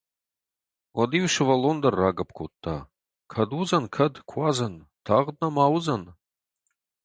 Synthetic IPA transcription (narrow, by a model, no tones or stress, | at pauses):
wɐdiwʃɪvɐlond̪ɐrːaːɡɐp̚ʰkʰʷot̪ʰːa̰ | kʰɐdwuzɐnkʰɐdkʷʰazɐntʰaʁd̪̚nɐmaːwʊzɐn